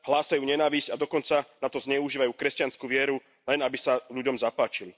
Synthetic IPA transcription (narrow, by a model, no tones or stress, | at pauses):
ɦlaːsajuːɲɛnaːʋizcad̪ɔkɔnt͡sanat̪ɔzɲɛuʒiːʋajuːkɾɛscanskuːʋɪɛɾu | lɛnabisaʎuɟɔmzapaːt͡ʃili